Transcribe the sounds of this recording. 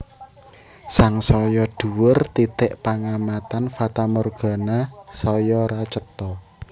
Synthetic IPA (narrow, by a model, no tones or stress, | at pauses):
saŋsɔjɔɖ̪̥ṳwʊrt̪it̪ɪʔpaŋamat̪anfat̪amɔrɡ̥a̤nasɔjɔɾat͡ʃət̪ɔ